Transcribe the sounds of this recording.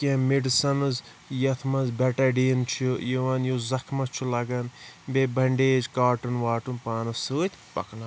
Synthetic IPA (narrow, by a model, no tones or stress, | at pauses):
kiɐ̃meɖsɐnɨz | jɐt̪ʰmɐzbeʈɐɖiːnt͡ʃʰijiʋɐnjozɐkʰmɐt͡ʃʰulɐɡɐnbebɐɳɖeːd͡ʒkaːʈɨnʋaːʈunpaːnɐsuːt̪ʲʰpɐ̰knɐ